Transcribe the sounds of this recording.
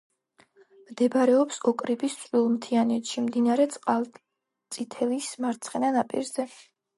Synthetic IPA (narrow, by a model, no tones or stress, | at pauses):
md̪ɛbaɾɛɔpsɔkʼɾibist̪sʼwilˠmt̪ʰianɛt̪ʃimd̪inaɾɛt̪sʼqʼalˠ | t̪sʼit̪ʰɛlismaɾt̪sʰχɛnanapʼḭɾzɛ